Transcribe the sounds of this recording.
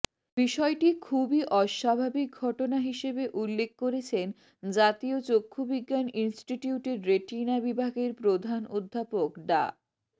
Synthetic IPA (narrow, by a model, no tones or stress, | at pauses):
biʃɔeʈikʰubiʔɔʃabʱabik̚ɡʱɔʈonaɦiʃebeʔulːek̚koɾet͡ɕʰen | d͡ʑat̪iot͡ɕokʰːobiɡːaninsʈiʈiuʈeɾːeʈinabibʱaɡeɾpɾod̪ʱanod̪ʱːapokɖa̰